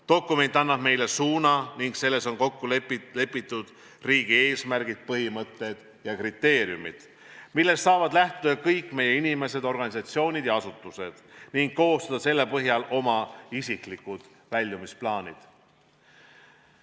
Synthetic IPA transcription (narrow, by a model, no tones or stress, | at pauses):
t̪o̞kːˑume̞nʲt̪ːˑɑnːɑb̥me̞jle̞suːnɑniŋɡse̞lːe̞so̞nko̞kːulepile̞pːˑit̪ːˑud̪̥ | riːɡ̥ie̞ːsmærɡ̥id̪̥̚pɤɦimɤt̪ːˑe̞d̪̥ | jɑkrit̪ːe̞ːɾjumḭd̪̥ | milːe̞st̪sɑːvɑd̪læht̪ud̪ɑkɤjkːˑme̞je̞inime̞se̞d̪o̞rɡɑnʲisɑt̪sio̞ːnʲid̪̥jɑɑsut̪ːˑuse̞d̪̥niŋɡ̥̚ko̞ːst̪ud̪̥ɑse̞lːe̞pɤɦjɑlo̞mɑisiklikud̪̥ | vælʲːumisplɑːnʲḭd̪̥